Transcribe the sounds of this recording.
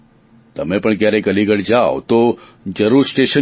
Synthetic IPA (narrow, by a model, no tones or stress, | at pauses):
t̪əmepəɳkjaɾekəliɡəɽd͡ʒao̰t̪o | d͡ʒəɾuɾsʈeʃə